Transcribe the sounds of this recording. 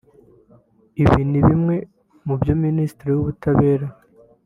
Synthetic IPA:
iβiːniβimŋe̞ | mubjo̞miniːstiɾiwuβutʰaβe̞ːɾa

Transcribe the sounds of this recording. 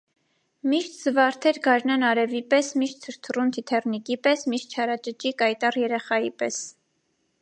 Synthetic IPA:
miʃt̪ʰz̥əvɑɾt̪ʰɛɾɡɑɾnɑnɑɾɛvipɛsmiʃt̪̚t͡sʰəʃt̪ʰərunt̪ʰit̪ʰɛrnikipɛsmiʃt̪̚t͡ʃʰɑɾɑt͡ʃət͡ʃikɑjt̪ɑrjɛɾɛχɑjipɛs

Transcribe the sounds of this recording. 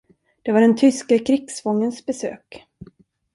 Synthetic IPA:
d̪̥ɛvaɖɛnt̪ʰʏskakʰɾɪɡsfɔŋːənsbɛsø̰ːk

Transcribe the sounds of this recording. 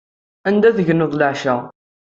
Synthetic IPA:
ænd̪æðəʝənːəðˤləʕʃæ

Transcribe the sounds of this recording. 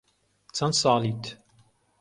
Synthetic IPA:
t͡sʰɐnsɑːlit̪

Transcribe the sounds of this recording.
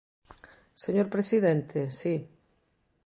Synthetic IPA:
seɲoɾpɾesiðent̪ʰesi

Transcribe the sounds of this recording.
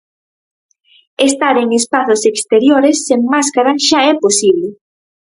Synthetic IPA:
est̪aɾeŋespaθosekst̪eɾjoɾesːeŋmaskaɾaʃaɛposiβle

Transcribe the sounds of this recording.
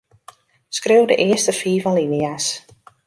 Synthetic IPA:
skrewdəʔɪəstəfiːvɔnlinias

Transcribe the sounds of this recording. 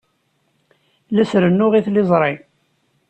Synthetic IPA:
læsɾənːʊʁiθlɪzˤɾˤi

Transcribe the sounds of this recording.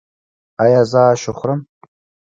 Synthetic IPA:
ajazaːʃɪχʷrɨm

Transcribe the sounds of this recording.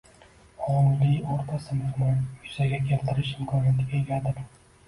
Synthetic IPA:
ɒlɪjoɾt̪ʰasɪmɪhmɒnjʊz̥aɡʲakʲʰe̞lt̪ʰɪɾɪʃɪmkʰɒnjat̪ɪɡʲajeɡʲad̪ɪɾ

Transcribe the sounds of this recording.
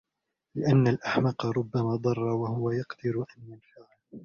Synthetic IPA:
lɪʔanːalʔaħmɑqɑɾˤʊbːamaːd̪ˤɑrˤːɑwahʊwajɑqd̪ɪɾʔanjanfaʕɪl

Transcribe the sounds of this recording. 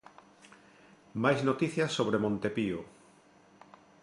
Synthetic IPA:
majznot̪iθjɐsoβɾemõnt̪epio

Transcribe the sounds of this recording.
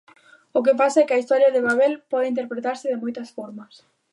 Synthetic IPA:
ʊk̬ɪpasaɛkɪɐist̪ɔɾjɐðɪβaβɛlpɔðɪint̪eɾpɾet̪aɾsɪðɪmojt̪ɐsfɔɾmɐs

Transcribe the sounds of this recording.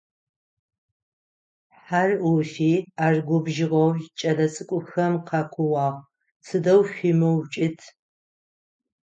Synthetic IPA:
ħarwʊfiːaːrɡʷʊbʒɪʁɐwt͡ʃʼɐlɐt͡sʼɨkʷʼʊxɐmqʰɑkʷʰʊwɑːʁ | t͡sʰɨdɐwɕʷimɐwt͡ʃʼɪtʰ

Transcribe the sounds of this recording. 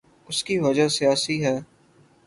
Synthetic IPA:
ʊskiʋɐd͡ʒasijaːsiɦɛː

